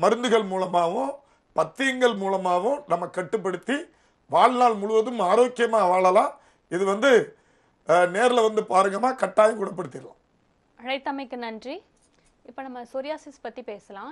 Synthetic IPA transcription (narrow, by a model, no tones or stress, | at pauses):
mɐɾɯnd̪ɯɣɐɭmuːlɐmaːʋʊ̃ | pɐt̪ːɪjɐŋɡɐɭmuːlɐmaːʋʊ̃nɐmːɐkɐʈːɯp̬ːɐɽɯt̪ːi | ʋaːɭnaːɭmʊɻʊʋɐðɯmaːɾoːkːɪjɐmaːʋaːɭɐlãː | ɪðɯʋɐnd̪ɯ | neːɾɪlɐʋɐnd̪ɯpaːɾɯŋɡɐmaːkɐʈːaːjɐkuːɽɐp̬ːɐɽɯt̪ːɪɾɯlã̰ː | ɐɽɐɪt̪ːɐmɐɪkːɯnɐndri | ɪpːoːnɐmːɐsʊɾɪjaːsɪspɐt̪ːipeːsɐlãː